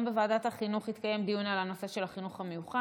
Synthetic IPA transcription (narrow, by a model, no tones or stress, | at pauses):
mbevaːdat̪haχinuχit̪kaje̞md̪iunalano̞se̞ʃe̞laχinuχhamejuχa